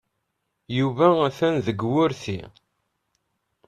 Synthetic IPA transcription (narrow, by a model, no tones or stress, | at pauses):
juvææθænðəɡwʊɾθḭ